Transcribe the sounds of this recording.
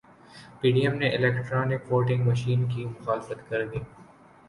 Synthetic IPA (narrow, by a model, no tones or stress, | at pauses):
piːɖiəmneʔɪlɛːkʈɾaːnɪkʋoːʈɪ̃ŋɡmɐʃiːnkimʊxaːlɪfət̪kɐɾd̪iː